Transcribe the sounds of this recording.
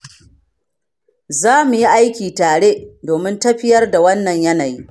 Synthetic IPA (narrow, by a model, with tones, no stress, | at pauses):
zaː˦mu˨ji˦ʔa˦jkʲiː˨taː˨ɽe˦doː˨mɪ˦ntɐ˦ɸɪ˦jɐ˦rda˨wɐ˦nːɐ˨ɲjɐ˦na˨jiː˦